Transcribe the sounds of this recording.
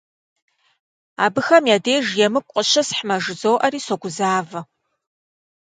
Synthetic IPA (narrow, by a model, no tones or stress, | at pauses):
a̰ːbɨxɐmjaːdeːʒjɛmɨkʷʼqʼəɕɐsħmɐʒɨzoːʔɐriːsoɡʷʊzaːvɐ